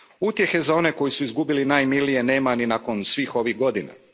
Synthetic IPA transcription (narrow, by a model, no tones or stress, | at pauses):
ut̪je̞xe̞zao̞ne̞ko̞jisuizɡubilinaːjmilije̞ne̞ːmaninako̞nsʋiːxo̞ʋihɡo̞d̪ina̰